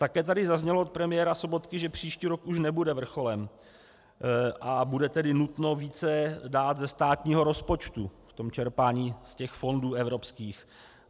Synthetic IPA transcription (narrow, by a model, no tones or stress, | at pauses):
t̪akɛːt̪adɪzazɲɛloot̪̚pɾɛmɪjɛːɾaso̞bo̞t̪kɪʒɛpr̝̥iːʃciːɾo̞kuʃnɛbudɛvr̩xo̞lɛm | ʔabudɛt̪ɛdɪnut̪no̞viːt͡sɛdaːt̪zɛst̪aːt̪ɲiːɦo̞ɾo̞spo̞t͡ʃt̪uft̪o̞mt͡ʃɛɾpaːɲiːscɛxfo̞nduːɛvɾo̞pskiːx